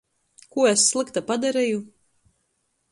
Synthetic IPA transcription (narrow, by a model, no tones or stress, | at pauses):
kuɔesːlˠɨkt̪apad̪aɾɛju